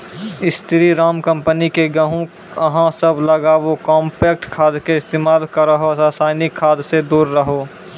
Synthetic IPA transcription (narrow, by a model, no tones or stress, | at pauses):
ɪst̪ʰɪɾiɾaːmkə̃mpənikeɡəɦũ | ɐɦãsəbləɡaʋokɔːmpeːkʈkʰaːd̪keɪst̪eːmaːlkɐɾəɦosasaːɪnɪkʰːaːd̪sed̪uːɾːəɦoː